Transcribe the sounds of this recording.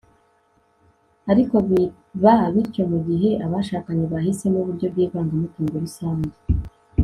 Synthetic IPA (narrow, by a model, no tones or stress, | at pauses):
aɾiko̞βi | vaβiɾco̞muɟiɦe̞ʔaβaʃaːkaɲeβahise̞nuβuɾɟo̞b̚ɡiːvaːŋɡamutiːŋɡeɾusaːɲze